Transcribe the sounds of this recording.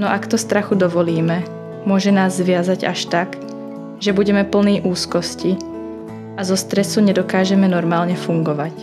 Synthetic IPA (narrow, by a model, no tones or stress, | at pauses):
nɔʔakt̪ɔst̪ɾaxud̪ɔʋɔliːmɛ | mʊɔʒɛnaːzːʋɪazaɟa̰ʃt̪ak | ʒɛbuɟɛmɛpl̩niːʔuːskɔsci | azɔst̪ɾɛsuɲɛd̪ɔkaːʒɛmɛnɔɾmaːlɲɛfuŋɡɔʋac